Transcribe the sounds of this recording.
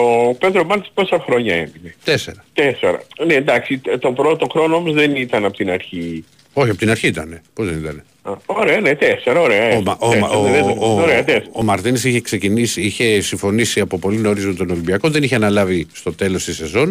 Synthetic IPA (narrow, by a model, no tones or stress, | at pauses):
oped̪ɾomɐɾt̪i̥spo̞sɐxɾo̞ɲɐemine̞t̪e̞se̞ɾɐt̪eseɾɐ̰neend̪ɐksit̪o̞bɾo̞t̪oxɾo̞noomozðenit̪ɐnɐpot̪inɐɾçi | o̞çiɐpo̞t̪inɐɾçiit̪ɐne̞po̞zðenit̪ɐne̞ | ɐoɾe̞ɐnet̪eseɾɐoɾeɐomoeoɾeɐt̪esːmɐɾt̪inisiçe̞kse̞cinisiiçe̞siɱfo̞nisiɐpo̞po̞lino̞ɾizot̪o̞no̞limbiɐkoðe̞niçeɐnɐlɐvist̪o̞t̪e̞lo̞st̪ise̞zo̞n